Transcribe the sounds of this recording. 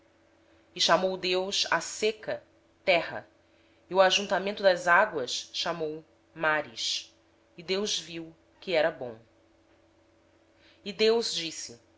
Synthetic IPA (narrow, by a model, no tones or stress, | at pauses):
ɪʃamowd̪ewʃa̰sekɐ | t̪ɛɦɐ̰ | iuaʒũnt̪amẽnt̪ʊd̪ɐzaɡwɐʃʃamow | maɾḭʃ | ɪd̪ewzviw | kɪɛɾɐbõw̃ | ɪd̪ewzd͡ʒisɪ